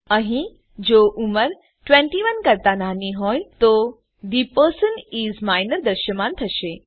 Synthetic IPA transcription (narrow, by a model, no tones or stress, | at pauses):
əɦĩ | d͡ʑoʔuməɾ | ʈʋẽɳʈiʋənkəɾt̪ananiɦɔjt̪o | d̪ipəɾsəniːzmajnəɾd̪əɾʃəmaːnt̪ʰəʃe